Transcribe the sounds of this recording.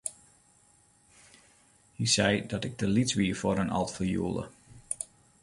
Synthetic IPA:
hisɛjdɔtɪɡ̚dəlitsʋiːəfoɾənɑ̰lˠtfəjṵəlˠə̰

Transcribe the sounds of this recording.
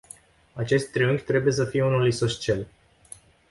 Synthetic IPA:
at͡ʃe̞st̪ʲt̪ːɾɨŋɡʲt̪ɾe̞buje̞s̬əfije̞unulisoʃt͡ʃe̞l

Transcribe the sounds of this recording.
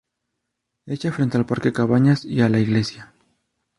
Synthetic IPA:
et͡ʃafɾe̞nt̪e̞alpaɾkekaβaɲasialaiɣle̞sja

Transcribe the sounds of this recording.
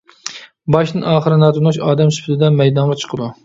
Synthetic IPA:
bɑʃnɨnɑːχəɾɨnɑːt̪ʰunuʃɑːd̪ɛmsy̥pʰt̪ɪd̪ɛmɛjd̪ɑɴʁɑt͡ʃʰə̥qʰəd̪u

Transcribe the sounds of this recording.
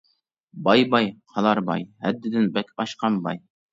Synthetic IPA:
bɑjbɑjqʰɑlˠɑɾbɑ̰jhæd̪ːɪd̪ɪnbɛkʲɑʃqɑmbɑ̰j

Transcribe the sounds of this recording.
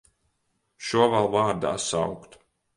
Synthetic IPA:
ʃuɔvalˠvaːɾd̪a̰ːsa̰wkt̪

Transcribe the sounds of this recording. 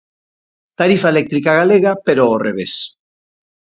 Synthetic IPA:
t̪aɾifaelek̚t̪ɾikaɣaleɣ̞apeɾoːreβ̞es

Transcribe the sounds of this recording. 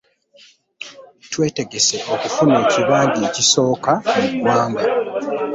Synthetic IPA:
twe̞ːte̞ɡese̞ʔo̞kufune̞ːciβaːɲɟiːciso̞ːkawaːmba

